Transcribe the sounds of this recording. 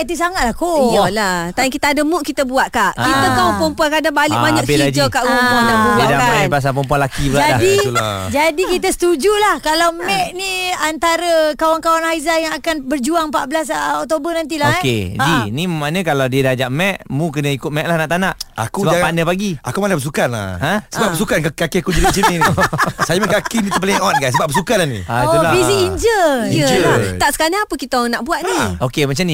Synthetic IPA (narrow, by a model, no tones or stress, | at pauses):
t̪is̬aŋat̪̚lahkojalat̪aŋkit̪aadəmuʔkit̪əbuat̪̚kaʔkit̪əaməpɔmpuakadabalɪʔbaɲaʔpeiad͡ʒokaʔɡuŋbɔŋdaŋəbdaanbas̬apɔmp̬ualakibəlad͡ʒaadid͡ʒadikit̪əsə̥t̪ud͡ʒulahkalawmɛʔniant̪aɾəkawankawanhaizajaŋakanbərd͡ʒuaŋmpaʔbəlasɔk̚t̪obənant̪ilaked͡ʒinimanə̃kalawdiədad͡ʒaʔmɛʔmũkənə̃ikʊt̪̚mɛʔ̚lahnaʔt̪anaʔa̰kubad͡ʒaŋpanəpaɡia̰kumalabəsukana̰ə̃səbapbbəs̬ukankaakiakud͡ʒilt͡ʃinĩnisajaməkakinĩt̪up̬əliŋɔn̚ɡajs̬əbap̚bəsukanlanḭ̃aulabiziiɲd͡ʒəd͡ʒəlat̪aʔsə̥kaɲaŋapəkit̪onaʔbuaʔ̪niokemat͡ʃamni